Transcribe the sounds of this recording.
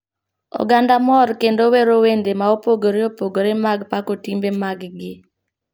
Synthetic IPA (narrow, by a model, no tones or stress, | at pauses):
ɔ̰ɡandamɔɾkendoweɾowendemaopoɡoɾeopoɡoɾemaɡpakotimbemaɡɡɪ